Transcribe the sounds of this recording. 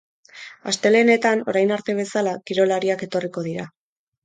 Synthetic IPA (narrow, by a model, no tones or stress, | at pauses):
a̰st̪e̞le̞ne̞t̪ano̞̰ɾajnaɾt̪e̞β̞e̞salakiɾo̞laɾiake̞t̪o̞riko̞ðiɾa